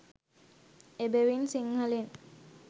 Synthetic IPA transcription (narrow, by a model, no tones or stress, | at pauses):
ebeʋinsiŋhɐlin